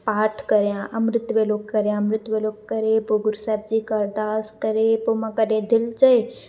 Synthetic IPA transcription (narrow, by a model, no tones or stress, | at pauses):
paːʈʰkəɾjãʔəmɾɪt̪ʋeloːkkːəɾjãːmɾɪt̪ʋeloːkːəɾepoɡʊɾsɛːb̚d͡ʒiːkəɾd̪aːskəɾepomãkəɗẽd̪ʱɪlt͡ʃəe